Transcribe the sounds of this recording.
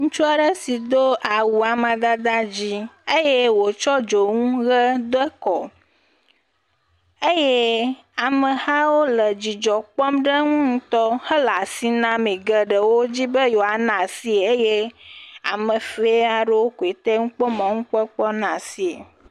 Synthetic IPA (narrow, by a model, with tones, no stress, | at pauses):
ŋũ˦t͡ʃu˦a˨ɖə˦si˨d̪o˦ʔa˨wu˨a˨mã˨d̪a˦d̪a˦d͡ʑi˦e˦je˦wo˨t͡ʃɔ˦d͡ʒo˨ŋũ˦ɣə˦d̪o˦e˦kɔ˨ | e˦je˦ | a˨mə̃˨ha˦wo˦lə˨d͡ʑi˨d͡ʒɔ˨k͡pɔ˦mɖə˦ŋũ˦ŋũ˦t̪ɔ˦hə˦la˨si˦nã˦mẽ˨ɡə˨ɖə˨wo˦d͡ʑi˦bə˦jo˨a˨nã˨si˦˨e˦je˦a̰˨mə˨fe˦a˨ɖə˦wo˦ku˨e˨t̪ɛ˦ŋũ˦k͡pɔ˦mã˨ŋũ˦k͡pɔ˦k͡pɔ˦nã˨si˨e˨